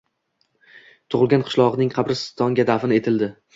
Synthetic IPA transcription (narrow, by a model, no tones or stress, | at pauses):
t̪ʰʊʁɨlˠɡʲanqʰɨ̥ʃlˠɒʁɨnɪŋqʰɑbɾɪst̪ʰɒŋɡʲad̪afɪne̞t̪ʰɪld̪ɪ